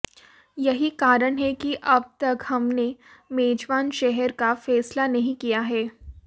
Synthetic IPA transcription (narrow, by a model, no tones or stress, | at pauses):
jɐɦikaːɾəɽ̃ɦɛkiʔɐb̚t̪ɐkhɐmnemeːd͡ʒʋaːnʃɛɦəɾkafɛːslanɐɦĩkijaɦɛː